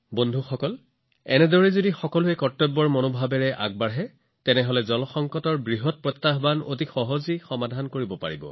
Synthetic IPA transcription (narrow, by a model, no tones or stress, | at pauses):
bondʱuxɔkɔl | ɛ̰nɛdɔɹɛzodixɔkɔlʊekɔtːɔbːɔɹmɔnobʱabɛɹɛʔa̰ɡ̚baɹɦɛ | tɛnɛɦɔlɛzɔlɔxɔŋkɔtɔɹbɹiɦɔt̚pɹɔt̪ːaɦbano̰tixɔɦozixɔmadʱankoɹibɔpa̰ɹibɔ̰